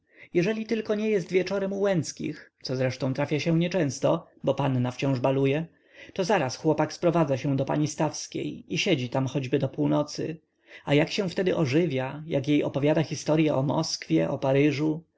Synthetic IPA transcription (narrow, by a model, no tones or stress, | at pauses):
jɛʐɛlʲit̪ɘlkɔɲɛjɛst̪vʲjɛt͡ʂɔɾɛmuwɛnt̪skʲḭxt̪sɔzɾɛʂt̪ɔ̃w̃t̪ɾafʲjaɕɛ̃ɲɛt͡ʂɛ̃w̃st̪ɔbɔpanːaft͡ɕɔ̃w̃ʐbalujɛ | t̪ɔzaɾasxwɔpakspɾɔvad̪zaɕɛ̃w̃d̪ɔpa̰ɲist̪afskʲḛjiɕɛd͡ʑit̪amxɔd͡ʑbɘd̪ɔpuwnɔt̪sɘ̰ | ajakɕɛ̃w̃ft̪ɛd̪ɘʔɔʐɘvʲjajakjejɔ̰pɔvʲjad̪axʲist̪ɔɾjɛʔɔmɔskfʲjɛʔɔpaɾɘʐu